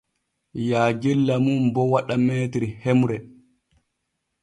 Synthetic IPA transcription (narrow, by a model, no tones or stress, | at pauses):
jaːɡilːamumbɔwaɗameːtɾihemuɾɛ